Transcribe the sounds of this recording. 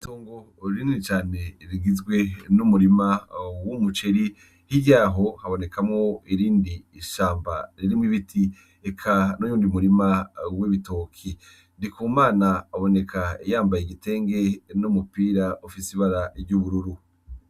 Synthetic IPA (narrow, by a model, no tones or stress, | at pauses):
ituːŋɡo | ɾiniit͡ʃaːneɾiɡizɡwe̞numuɾimawumut͡ʃeɾi | hiɟaːɦo̞haβo̞ne̞kʰamŋoiɾiːndiʃaːmba̰ɾiɾimŋiβitʰi | ekʰanojuːndimuɾimawiβitokʰi | ndikuːmaːnaːβo̞ne̞kʰajaːmbajeɡite̞ːŋɡe̞numupiːɾaʔufisiβaɾaɾɟuβuɾuɾu